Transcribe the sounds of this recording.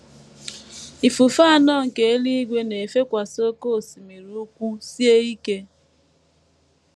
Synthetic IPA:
i˨fu˨fa˦˨nɔ˦˨ŋ̩˨ke˨e˦li˦i˦ɡʷe˦ne˨e˨fe˦kʷa˨so˦ko˦˨si˨mi˨ɾu˦kʷu˦si˦e˦i˦ke˦

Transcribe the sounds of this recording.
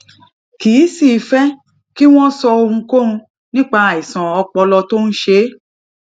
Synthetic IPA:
kiː˨˦si˦˨˦fɛ˦ | ki˦w̃ɔ̃˦sɔ˧o˧hũ˧ko˦ũ˧ | nĩ˦k͡pa˧a˨i˨sã˨ɔ˧k͡pɔ˧lɔ˧to˦n̩˦ʃe˦

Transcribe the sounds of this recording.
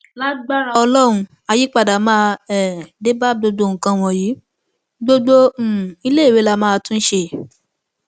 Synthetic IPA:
la˦ɡ͡ba˦ɾɔ˧lɔ˦ɾ̃ũ˧ | a˧ji˦k͡pa˦˨da˨mãː˦˧ɛ˨de˦ba˦ɡ͡bo˧ɡ͡bo˧˦˨ŋ̩˨kã˧w̃ɔ̃˧ji˨˦ | ɡ͡bo˦ɡ͡bo˦˨i˧le˦i˨ɾe˨˦la˧˦mãː˦˧tũ˦n̩˦ʃe˧˨

